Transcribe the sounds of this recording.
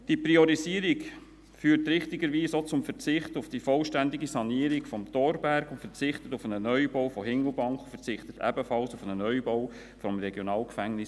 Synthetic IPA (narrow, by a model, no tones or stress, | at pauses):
d̥iəpɾiɔɾiziːəɾik | fyːtɾɪχtɪɡəɾʋiːsot͡sʊmfəɾt͡sɪχtʊfd̥ifɔlʃtænd̪iɡisɑniəɾikfɔmt̪ɔːɾbæɾɡʊntfəɾt͡sɪχtətʊfənənœʏbɔwfɔɦɪŋl̩bɑŋkχfət͡sɪχt̪ət̪ʰɛ̰bəfɑlsʊfənənœʏbɔw | fɔmɾɛɡjɔnɑːlkfæŋnɪs